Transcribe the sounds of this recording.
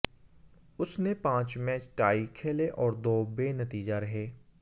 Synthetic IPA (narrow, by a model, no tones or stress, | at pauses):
ʊsnẽːpãːt͡ʃmɛːt͡ʃʈaːiːkʰeːleːʔɔːɾd̪oːbeːnət̪iːd͡ʒaːɾəɦeː